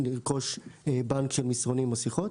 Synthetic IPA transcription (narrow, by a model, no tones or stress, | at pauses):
niʁko̞ʃbaŋkʃelmisʁonimosiχot